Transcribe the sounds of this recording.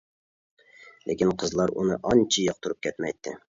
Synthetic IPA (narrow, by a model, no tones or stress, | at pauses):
lekʲinqʰəzlˠɑɾṵnɨʔɑnt͡ʃʰijɑq̚t̪ʰuɾup̚kʲʰɛt̪mɛjt̪ʰːɪ